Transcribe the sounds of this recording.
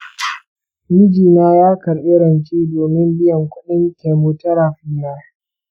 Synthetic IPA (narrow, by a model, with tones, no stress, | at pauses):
mɪ˦d͡ʒiː˨naː˦jaː˦kɐ˨ɾʔɪ˦ɾɐ˨nt͡ʃiː˦doː˨mɪ˦mbɪ˦jɐ˨ŋkʷʊ˦ɗɪ˦ŋkʲe˨mu˦tɐ˦ɾaː˨ɸɪ˦jaː˦